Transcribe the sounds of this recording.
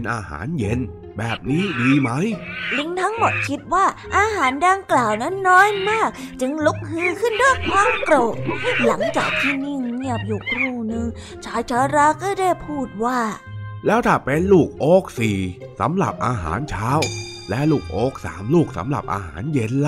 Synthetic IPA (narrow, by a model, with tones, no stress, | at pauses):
nʔaː˧ha̰ː˩˦nje˧n | bɛː˨˩p̚niː˦˥diː˧ma˦˥jli˧˥ŋt̪ʰa˦˥ŋmo˨˩t̪̚kʰi˦˥t̪̚waː˥˩ʔaː˧ɦaː˩˦nda˧ŋklaː˨˩wna˦˥nːɔː˦˥jmaː˥˩k̚t͡ɕɯ˧ŋlu˦˥k̚hɯː˧˥kʰɯ˥˩ndu˥˩jkʰwaː˧mkɾoː˨˩t̪̚la˩˦ŋt͡ɕaː˨˩k̚t̪ʰiː˥˩ni˧˥˩ŋni˥˩əp̚ju˨˩k̚ɾuː˧˩nɯ˧ŋ | t͡ɕʰaː˨˦jt͡ɕʰaː˨˧˥ɾaː˧˥kɔː˥˩daː˥˩jpʰuː˥˩t̪̚waː˥˩ | lɛː˦˥wt̪ʰaː˨˩pe˧nluː˥˩k̚ʔoː˦˥k̚siː˨˩sa̰˨˩˦mɾa̰˨˩p̚ʔaː˧ɦa̰ː˩˦nt͡ɕʰaː˦˥w | lɛ˦˥luː˥˩k̚ʔoː˦˥k̚sa̰ː˩˦mluː˥˩k̚sa̰˩˦mɾa̰˨˩p̚ʔa̰ː˧ɦa̰ː˩˦nje˧n˧